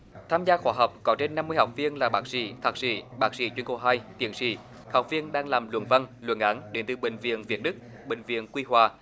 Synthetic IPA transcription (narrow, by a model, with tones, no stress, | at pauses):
t̪ʰaː˧mzaː˧xwaː˧˦ɦəː˨˩wk͡p̚kɔ˨˦t͡ɕe˧nːa˧mːɨ˧əjha˨˩wk͡p̚vi˧ənlaː˨˩ɓaː˦˥k̚sḭ˧˨˦t̪ʰaː˨˩k̚sḭ˧˩ɓaː˦˥k̚sḭ˧˨˦t͡ɕwi˧əŋko˧˩ɦaː˧jt̪ḭ˨˦ənsḭ˧˩˦ | ha˨˩wk͡p̚vi˧ənɗaː˧ŋlaː˨˩mlwə̰˧˨nvə˧nlwə̰˧˩nʔa˨˦nɗe˨˦nt̪ɨ˨˩ɓï˨˩ŋ̟vḭ˧˨ənvi˨˩ət̚ɗɨ˦˥k̚ | ɓï˨˩ŋ̟vḭ˧˨ənkwi˧ɦwaː˨˩